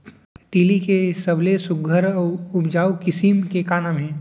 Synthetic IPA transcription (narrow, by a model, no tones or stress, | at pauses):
ʈiːlikesəblesʊɡʱəɾʊpd͡ʒaːukɪsimkekaːnamɦɛ̃ː